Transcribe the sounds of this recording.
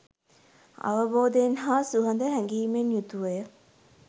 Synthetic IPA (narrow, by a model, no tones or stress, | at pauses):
ɐ̰ʋɐboːd̪enɦaːsuɦɐnd̪əɦæŋɡiːmenjut̪uʋɐjə